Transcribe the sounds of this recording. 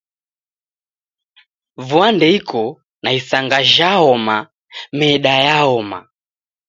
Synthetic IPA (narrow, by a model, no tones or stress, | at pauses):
vuandɛikʰɔ | naisaŋɡaʒaɔma | mɛɗajaɔma̰